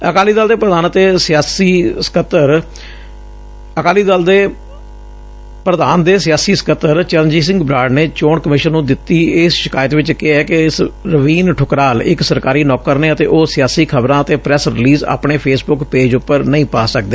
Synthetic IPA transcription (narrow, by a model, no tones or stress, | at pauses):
əkaːliːd̪aːld̪eːpɾəd̪aːnət̪eːsɪjaːsiːskət̪əɾ | əkaːliːd̪aːld̪eː | pɾəd̪aːnd̪eːsɪjaːsiːsə̥kət̪əɾt͡ʃəɾnd͡ʒiːs̬ɪ̃ŋɡbɾaːɖneːt͡ʃoːɳkəmɪʃənːũːd̪ɪt̪ːiːɪːsʃɪkaːjət̪ʋɪt͡ʃkeɛːkesɾəʋiːnʈʰʊkɾaːlɪksəɾkaːɾiːnɔːkəɾneːət̪ḛːʔoːsɪjaːsiːkʰəbɾãːət̪eːpɾɛːsɾɪliːza̰ːpɳeːpʰeːsbʊkpeːd͡ʒʊpːəɾnəĩːpaːsək̚d̪eː